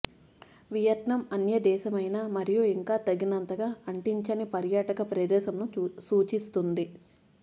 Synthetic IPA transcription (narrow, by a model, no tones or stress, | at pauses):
ʋijɐʈɳɐmɐnjɐd̪ɛːʃɐmɐjnaːmɐɾijuiŋkaːt̪ɐɡinɐnt̪ɐɡaːɐɳʈiɲt͡ʃɐnipɐɾjaːʈɐkɐpɾɐd̪ɛːʃɐmnusuːt͡ʃist̪und̪i